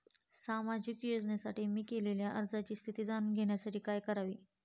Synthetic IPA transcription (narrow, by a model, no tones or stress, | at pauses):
samad͡ʑikjod͡zɳjasaʈiːmiːkeleljaʔəɾd͡zat͡ɕiːst̪ʰit̪iːd͡zanɡʱeɳjasaʈiːkajkəɾaʋiː